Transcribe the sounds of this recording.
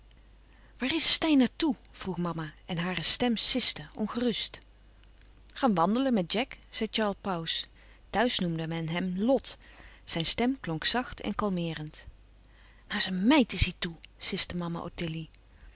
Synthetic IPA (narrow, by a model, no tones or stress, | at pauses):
ʋaːrɪsstɛjnaːɹtuv̥ruχmɑmaʔɛnɦaːrəstɛmsɪstəɔ̰nχərɵst | χaːnʋɑndələnmɛt̚d͡ʒɛkz̥ɛjt͡ʃɑːɹlˠpaws | tœɥsnumdəmɛnɦɛmlɔtz̥ɛjnstɛmklɔŋksɑχtʰɛ̰nkɑlˠmɪːrənt | naːɹzənmɛjtɪsɦitusɪstəmɑma̰ʔo̰tɪli